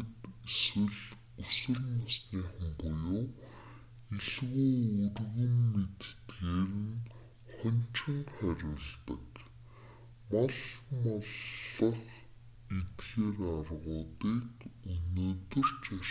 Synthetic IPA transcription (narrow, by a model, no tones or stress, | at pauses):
t̪eswɘ̆ɮ | ɵswɘ̆ɮnasniːχə̆mpɔjoː | eɮɣuːɵrɣɘ̆nːet̪t̪ɣeːrɘ̆n | χɔnʲt͡ɕɪ̆ŋχæɾʲʊ̆ɮt̪ə̰̆k | maɮmɔɮə̆χ | it̪xeːrarʁʊːt̪iːkɵnoːt̪ɵ̆r̥t͡ɕa